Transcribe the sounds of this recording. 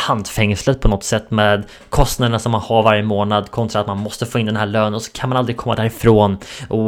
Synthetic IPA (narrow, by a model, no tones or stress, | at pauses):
hant̪fɛŋslət̪̚pʰɔnɔt̪sɛt̪ːmeːd̪ | kʰɔst̪nad̪ənaʂɔmːanhaɾvaɾjəmoːnad̪kʰɔnt̪ʰɾat̪manmɔst̪əfoːɪnd̪ɛnɦæːɭøːnənɔsɔ̥kʰanmanald̪ɾɪɡkʰɔmːad̪æːɾɪfɾoːnʔɔ